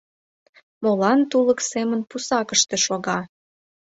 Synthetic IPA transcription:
molɑnt̪uləksemənpusɑkəʃt̪eʃoɣɑ

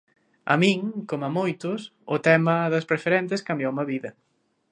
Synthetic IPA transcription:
ɐ̰mĩŋkomɐmojt̪ʊsʊt̪ɛmɐðɐspɾefeɾɛnt̪̬eskambjowmɐβiðɐ

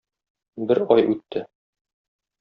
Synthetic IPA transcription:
bɘɾɒjʔʉt̪ʰːɘ

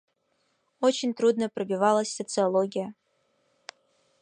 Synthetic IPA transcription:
ot͡ɕɪnʲt̪rud̪nəprɐbʲivalˠəsʲsot̪sɨolˠoɡʲijə

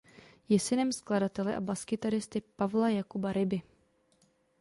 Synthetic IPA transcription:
jɛsɪnɛmskladat̪ɛlɛʔa̰baskɪt̪aɾɪst̪ɪpavlajakubaɾɪbɪ

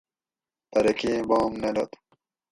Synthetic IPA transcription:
t̪ɐɾɐkiːboːmnelot̪

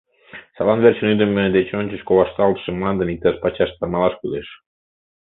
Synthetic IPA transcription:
sɑlɑnβerɕənyd̪ə̆med̪et͡ɕonʲt͡ɕə̆ʃkoβɑʃt̪ɑlt̪ʃə̆mɑnd̪ə̆nik̚t̪ɑʃpɑt͡ɕɑʃt̪ɑmɑlˠɑʃkuleʃ

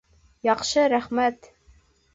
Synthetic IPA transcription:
jɑqʃɤɾæχmæt̪

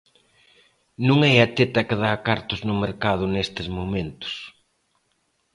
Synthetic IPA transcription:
nũŋɛɐt̪et̪ɐkɪðakaɾt̪ʊznʊmeɾkað̞ʊnest̪ɪzmoment̪ʊ̥s

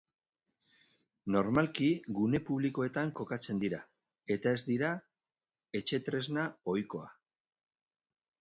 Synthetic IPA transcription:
no̞ɾmalkiɡune̞puβliko̞e̞t̪aŋko̞kat͡se̞nd̪iɾa | e̞t̪ae̞zd̪iɾa | e̞t͡ʃe̞t̪ɾe̞znao̞jko̞a̰

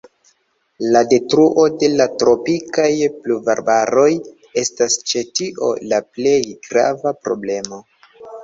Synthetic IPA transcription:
lade̞tɾuʔo̞de̞latɾo̞pikajpluvaɾbaɾo̞j | e̞stast͡ʃe̞tiʔo̞̰laple̞jɡɾa̰vapɾo̞̰ble̞mo̞

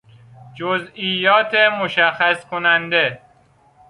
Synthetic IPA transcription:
d͡ʒozijːɒːt̪ʰemoʃæxæskʰonænd̪e

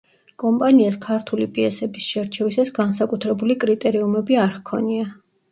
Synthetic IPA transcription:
kʼɔmpʼaniaskʰaɾt̪ʰulipʼiɛsɛbisʃɛɾt͡ʃʰɛvisasɡansakʼut̪ʰɾɛbulikʼɾit̪ʼɛɾiumɛbiaɾχkʰɔnia

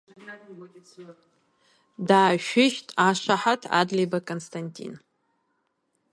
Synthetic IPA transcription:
daːʃᶣɪʃtʼaʂʷaħatʰa̰dlejbakʼonstʰʼantʼḭn

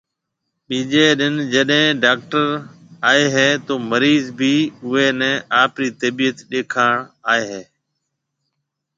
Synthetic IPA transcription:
ɓiːd͡ʒeːɗɪnd͡ʒəɗɦɛ̃ːɖaːk̚ʈəɾ | aːeːɦeːt̪oːməɾiːzbʱiːʊɦeːnɛ̃ːʔaːpɾiːt̪əbiːət̪ɗeːkʰaːɳaːeːɦeː

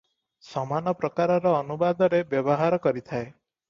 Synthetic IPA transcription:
sɔmanɔpɾɔkaɾɔɾɔːnubad̪ɔɾebjɔbɔɦaɾɔkɔɾit̪ʰae

